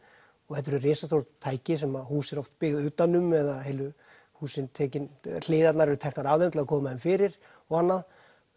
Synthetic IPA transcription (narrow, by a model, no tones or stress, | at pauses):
ɔɣhɛt̪̬ːɛɾʏreːsasθowɾt̪ʰaːjcɪsɛmaðhuːsɛɾɔft̪pɪɣðʏːt̪anːʏmɛðaðɦeːlʏ | huːsɪnt̪ʰɛːcɪnl̥eːðat̪naɾɛɾʏt̪ʰɛhknaɾaːvðɪnt̪lɪlðakʰɔːmaðɛɪmfɪːɾɪɾ̥ | ɔɣanːað